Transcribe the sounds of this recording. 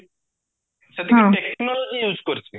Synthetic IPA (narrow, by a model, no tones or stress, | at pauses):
ʃet̪ʰeɦaẽʈeknɔlod͡ʑijud͡ʑkoɾt͡ɕʰe